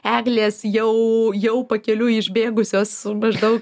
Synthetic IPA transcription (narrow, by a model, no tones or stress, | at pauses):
æːɡlʲeːsjɛʊjɛʊpɐkʲɛlʲuɪʒʲbʲeːɡʊsʲoːsmɐʒd̪ɐʊk